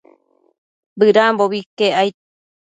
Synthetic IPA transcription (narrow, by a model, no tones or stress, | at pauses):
bɨɾamboβikeajt̪̚